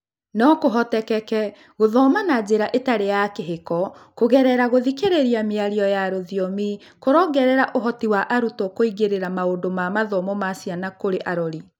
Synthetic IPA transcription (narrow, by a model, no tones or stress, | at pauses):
nɔkoɦɔtɛkɛkɛ | ɣoðɔmanad͡ʑeɾaʔetaɾejakeɦekɔkoɣɛɾɛɾaɣoðikeɾeɾiameaɾiɔjaɾoðiɔmi | koɾɔɡɛɾɛɾaʔoɦɔtiwaʔaɾutɔkoiɣeɾeɾamaondomamaðɔmɔmasianakoɾeʔaɾɔɾi